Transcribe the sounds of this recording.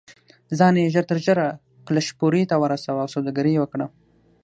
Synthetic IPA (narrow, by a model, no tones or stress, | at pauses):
zɑneʒəɾt̪əɾʒəɾa | klaʃpoɾit̪awəɾasawawsawd̪aɡaɾiwəkɽa